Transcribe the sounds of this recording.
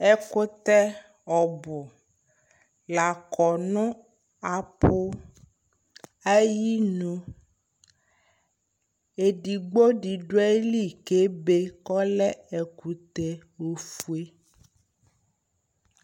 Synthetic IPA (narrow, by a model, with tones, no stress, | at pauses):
ɛ˦ko˦t̪ɛ˦ | ɔ˨bʊ˨ | la˨kɔ˨nɔ̃˦ | a˨po˦ | a˦ji˦nũ˨ | e˨ɖi˨ɡ͡bo˦ɖi˨ɖo˦e˦li˦˨ke˦be˦kɔ˦lɛ˦ɛ˨ku˨t̪ɛ˦ | wo˨fu˨e˦